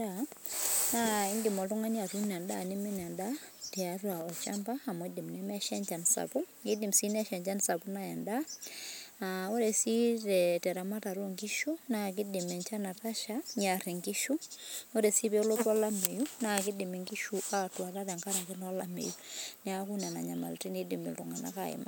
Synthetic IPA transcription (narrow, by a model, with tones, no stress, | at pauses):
a | nai˦ŋɡi˨mɔ˨to˦ŋa˦ɲa˨ɾu˦na˨nda˦˨ne˦mɛ˦na˨nda˦tɛa˨rwaɔ˨t͡ʃa˦mbaa˨mɔ˨di˨mnɛ˦ma˦ʃɛ˦ɲd͡ʒa˨nsa̰˨pu˦ | i˦di˨msi˦nɛ˦ʃɛ˨ɲd͡ʒa˦nsa˨pu˦na˦jɛ˨nda | ao˦ɾɛ˨si˦ɾɛtɛ˨ɾa˨ma˦ta˨ɾo˦ŋɡɪ˦ʃo˦na˦k̬ɪ˦dɪ˨mɛ˨ɲt͡ʃa˦na˨ta˦ʃa˦ɲa˨ɾɪ˨ŋɡɪ˦ʃu˦o˦ɾɛ˨si˦bɛ˦o˦lo˦twa˦la˦me˨ju˦na˨kɪ˦dɪ˨me˨ŋɡɪ˦ʃu˨ʔa˦twa˨ɾa˦ɾɛ˨ŋɡa˦ɾa˨kɪ˦nɔ˦la˦mḛ˨junɪ˦a˦ku˦na˨na̰˨ɲa˨ma̰˨lti˦ni˦dɪ˨mɪ̰˨ltɔ˨ŋɡa˨na̰˦ka˨ɪ̰˨ma̰˦